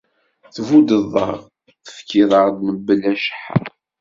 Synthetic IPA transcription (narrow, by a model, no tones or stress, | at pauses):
θvud̪əðˤːɑ̰ʁ | θə̥fkːiðˤəʁd̪məbːəlæʃə̥ħ